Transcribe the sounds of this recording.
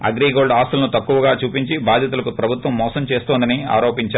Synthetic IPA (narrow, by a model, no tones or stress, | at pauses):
ɐ̰ɡɾiːɡo̞ːɭɖaːst̪ulɐnut̪ɐkːuʋɐɡaːt͡ʃuːpiɲt͡ʃibaːd̪ʱjɐt̪̬ulɐkupɾɐbʱut̪ʋɐmːɔːsɐmt͡ʃeːst̪oːnd̪ɐnia̰ːɾoːpiɲt͡ʃaː